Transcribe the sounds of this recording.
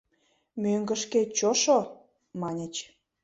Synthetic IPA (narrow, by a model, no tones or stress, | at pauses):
møŋɡə̆ʃket͡ɕoʃo | mɑnʲət͡ɕ